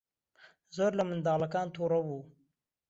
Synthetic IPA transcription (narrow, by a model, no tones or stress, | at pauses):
zəɾlamɪnd̪ɑlakɑːnt̪ʰoɾawu